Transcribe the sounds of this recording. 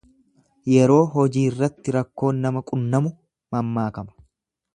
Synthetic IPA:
jɛɾo̞ːɦɔd͡ʒiːrːɐt̪ːɪɾɐkːo̞ːnːɐmɐkʼʊnːɐmʊ | mɐmːaːkɐmɐ̥

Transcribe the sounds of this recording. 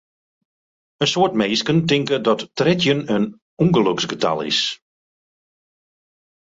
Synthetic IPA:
ənsoːtmeːskəntɪŋkədɔtːrɛtjənən | uŋɡəløksɡəta̰lˠɪ̰s

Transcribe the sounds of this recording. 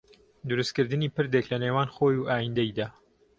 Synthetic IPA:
d̪ʊɾust̪kɨɾd̪ɨniːpɨɾd̪eklɐneːwaːnxoːjuʔaːjind̪ɛjd̪aː

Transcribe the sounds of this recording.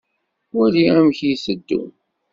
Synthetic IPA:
wæliæmçjisəd̪ːṵn

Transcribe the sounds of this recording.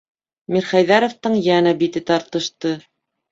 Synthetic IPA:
miɾχæjðæɾŏft̪ɤɴjænæbit̪ɘt̪ɑɾt̪ɤ̆ʃt̪ɤ

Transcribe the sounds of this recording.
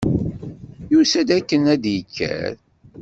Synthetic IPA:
jusæd̪ækːənæd̪jəkʰːæ̰ɾ

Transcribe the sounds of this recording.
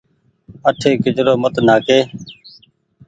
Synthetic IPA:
əʈʰeːkɪd͡ʒɾoːmət̪naːkeː

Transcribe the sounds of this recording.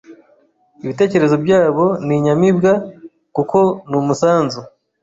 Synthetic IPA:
iβite̞ːce̞ɾe̞zobɟaːβo̞niɲamibɡa | kukʰo̞numusaːnzu

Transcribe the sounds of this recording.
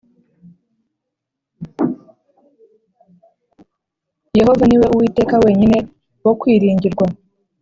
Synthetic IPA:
je̞ho̞vaniwe̞uwiːte̞ːkawe̞ːɲine̞ | wo̞kwiːɾiːɲɟiɾɡwa

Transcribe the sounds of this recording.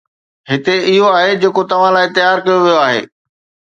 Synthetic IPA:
ɦɪt̪eɪɦoaːɦed͡ʑeːkot̪ɐʋ̤ãlaːɪt̪ɪjaːɾkɐjoʋijoaːɦḛː

